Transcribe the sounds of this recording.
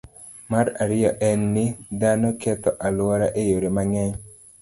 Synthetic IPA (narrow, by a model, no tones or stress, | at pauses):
maɾaɾɪjɔʔɛnːɪd̪anokɛt̪ɔʔalwɔɾaʔejoɾemaŋɛ